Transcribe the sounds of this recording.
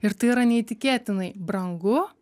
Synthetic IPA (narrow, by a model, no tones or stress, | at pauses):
ɪɾt̪ɨːɾɐnʲɛːt̪ʲɪkʲeːt̪ʲɪnɐjbɾɐŋɡʊ